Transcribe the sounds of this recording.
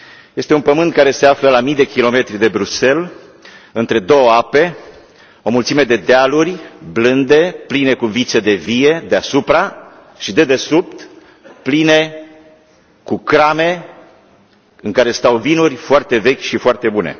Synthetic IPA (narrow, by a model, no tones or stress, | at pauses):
je̞st̪eunpəmɨnt̪̚kaɾe̞se̞afləlamijd̪e̞kʲilo̞me̞t̪ɾid̪e̞bɾuse̞l | ɨnt̪ɾe̞d̪o̞wəape̞ | o̞mult̪sime̞d̪e̞d̪ealurʲblɨnd̪e̞pline̞kuvit̪se̞d̪e̞vije̞d̪easupɾa | ʃid̪e̞d̪e̞sup̚t̪ | pline̞ | kukɾame̞ | ɨnkaɾe̞st̪awvinurʲfoart̪e̞ve̞kʲʃifoart̪e̞bune̞̰